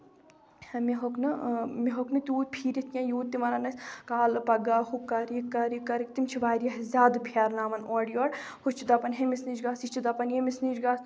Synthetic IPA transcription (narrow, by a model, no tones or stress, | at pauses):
hɐmiɦoknɨmiɦoknɨt̪ʲuːt̪̚pʰiːɾʲit̪ʰjãːjuːt̪ːimɐɾɐnɐsʲkaːlpɐɡaːhukːɐɾikːɐɾikːɐɾikt̪imt͡ʃʰiʋaːɾjɐɦzʲaːd̪pʰaːɾnaːmɐnoːɖijoːɽ | hut͡ʃʰid̪ɐpɐnɦemisnid͡ʒɡaːsit͡ʃʰid̪ɐpɐnjemisnid͡ʒɡaːs